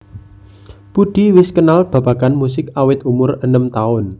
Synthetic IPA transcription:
puɖ̪̥i̤wɪskənalb̥a̤b̥a̤kanmusɪkawɪt̪umʊrənəmt̪aʊn

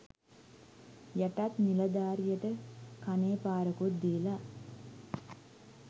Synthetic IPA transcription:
jaʈat̪nilɐd̪aːɾijəʈəkaneːpaːɾɐkut̪̚d̪ijla

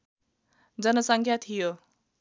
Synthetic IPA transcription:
d͡zʌnʌsʌŋkʰjat̪ʰijo

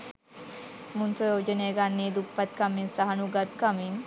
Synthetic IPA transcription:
munp̪ɾɐjoːd͡ʒənejəɡanːiːd̪upːat̪̚kaminsaɦɐnuɡat̪kamiŋ

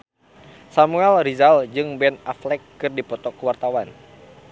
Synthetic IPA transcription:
samuɛlrizald͡ʒɨŋbɛnaflɛkːɨrdipɔt̪ɔkuwart̪awan

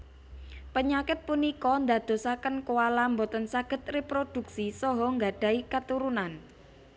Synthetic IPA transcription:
pəɲakɪt̪̚punikɔnd̪a̤d̪̥o̤sakənkowalambot̪ənsaɡ̥ə̤t̪̚repɾod̪̥ṳksisɔɦɔŋɡaɖ̥a̤ikat̪uɾunan

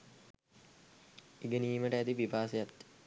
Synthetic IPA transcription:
iɡəniːməʈəæt̪iʋibʱaːsejat̪ː

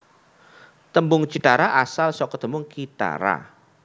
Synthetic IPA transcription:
t̪əmbʊŋd͡ʒid̪aɾaʔasalsɔkɔt̪əmbʊŋkit̪a̰ɾa̰

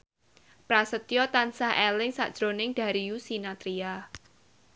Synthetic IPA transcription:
pɾasət̪jɔt̪ansahɦʔɛlɪŋsa̰ʔd̥ʒ̥ɾonɪŋd̥a̤ɾijusinat̪ɾia

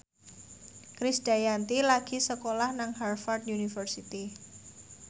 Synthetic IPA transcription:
kɾisd̥ajant̪ilaɡ̥i̤səkolahnaŋharfart̪junifərsit̪i

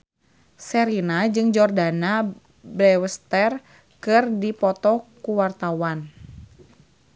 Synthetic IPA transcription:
sɛɾinad͡ʒɨŋd͡ʒɔrdana | bɾɛwəst̪ər | kɨrdipɔt̪ɔkuwart̪awan

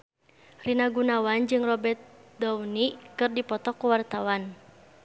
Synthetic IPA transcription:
rinaɡunawand͡ʒɨŋrɔbɛrt̪̚dɔwnikɨrdipɔt̪ɔkːuwart̪awan

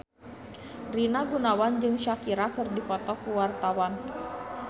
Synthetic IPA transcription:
rinaɡunawand͡ʒɨŋʃakiɾakɨrdipɔt̪ɔkuwart̪awan

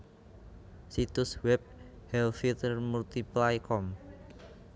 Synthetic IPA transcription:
sit̪ʊswɛb̚hɛlfit̪ərmult̪iplajkʰɔm

